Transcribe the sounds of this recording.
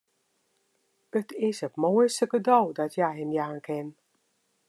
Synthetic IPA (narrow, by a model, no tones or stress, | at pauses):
ətʰɪsətmoːjstəɡədɔwdɔtʰjajɦɛmjaːnkʰɪn